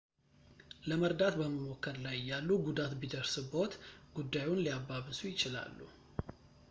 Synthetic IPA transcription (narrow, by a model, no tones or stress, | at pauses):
ləməɾd̪at̪bəməmokːəɾlajɪjːalːuɡud̪at̪bid̪əɾsɨbot̪ɡ̥ud̪ːajunliabːaβɨsujɪt͡ʃɪla̰lːṵ